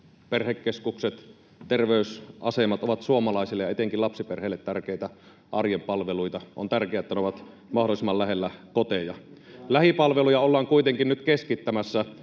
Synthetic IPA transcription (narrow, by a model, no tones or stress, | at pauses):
perhekːeskukset̪ | t̪erʋeysʔɑsemɑt̪oʋɑt̪suomɑlɑˑisilːejɑet̪eŋkilɑpsiperheːlːet̪tærkeit̪æ | ʔɑrjempɑlʋeluit̪ɑʔo̰nt̪ærkeæet̪ːæneoʋɑt̪ | mɑhdolˑisemːɑllæhelːækot̪ejɑlæhipɑlʋelujɑolːɑːŋkuit̪eŋkinnyt̪keskit̪ːæmæsːæ